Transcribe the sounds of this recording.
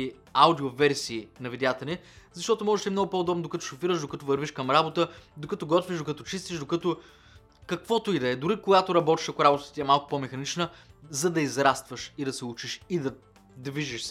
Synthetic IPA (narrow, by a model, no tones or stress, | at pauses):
i | awd̪iovɛɾsiːnɐvid̪jat̪ɛnʲɛzɐʃt̪ɔt̪ʊmɔʒɛʃt̪ɛmnɔɡʊpoːd̪ɔbnd̪okɐt̪o̥ʃofiɾəʃd̪okɐt̪ɔvɐɾviʃkɐmɾabot̪əd̪okɐt̪oɡɔt̪viʒd̪okɐt̪ɔt͡ʃist̪iʃd̪okɐt̪ʊ | kɐkvɔt̪ʊid̪ɐɛd̪ʊɾikoɡat̪ʊɾɐbɔt̪i̥ʃɐkʊɾabot̪ət̪t̪ʲiɛmalˠkʊ̥pɔmɛxɐnit͡ʃnəzɐd̪ɐizɾast̪vəʃid̪ɐsɛut͡ʃiʃid̪ɐ | d̪viʒiʃs